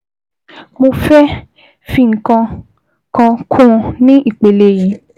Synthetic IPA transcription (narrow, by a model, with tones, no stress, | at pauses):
mo˧fɛ˦ | fĩ˧˨ŋ̩˨kã˧ | kã˧kʰũ˦˧nĩ˦ʔi˦˨k͡pe˨le˧ji˨˦